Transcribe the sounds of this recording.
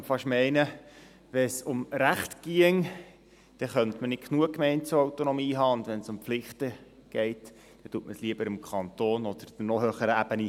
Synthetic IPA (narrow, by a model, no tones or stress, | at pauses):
fɑʃmɛɪnə | ʋɛsʊmɾæχtɡ̥iəŋ | d̪̥ɛχœnt̪mənɪkkʰnuəkːmɛɪntt͡suowt̪onɔmiːɦɑːʊnd̪ʋɛnsʊmpflɪχt̪ə | ɡ̥ɛɪt | d̥̪ɛtuətməsliəbəɾɪmkʰɑnt̪oːnɔd̥̪əɾd̥̪ənɔɦøːχəɾəæbəni